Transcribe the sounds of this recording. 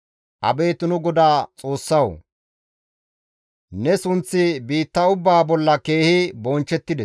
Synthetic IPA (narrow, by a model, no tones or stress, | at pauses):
ʔɐ̰be̞ːt̪ʊnʊɡɔd̪aːt͡sʼo̞ːsːɐw | nɛsʊnt͡sːɪbiːt̪ːɐʊbːaːbɔlːɐke̞ːhɪbɔnt͡ʃːɛt̪ːɪd̪ɛs